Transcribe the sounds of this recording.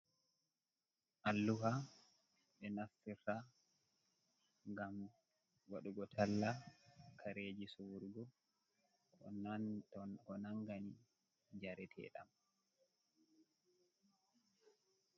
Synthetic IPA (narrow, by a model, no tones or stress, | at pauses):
ʔalːuha | ɓɛnasːiɾta | ŋɡam | waɗuɡɔtʰalːakʰaɾeːd͡ʒisuwuɾɡɔ | ɔn | kɔnaŋɡani | d͡ʒaɾɛtʰɛ̰ɗa̰m